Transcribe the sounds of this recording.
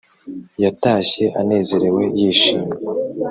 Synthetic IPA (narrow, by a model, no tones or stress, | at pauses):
jataːçe̞ʔane̞ːze̞ɾe̞we̞jiːʃiːme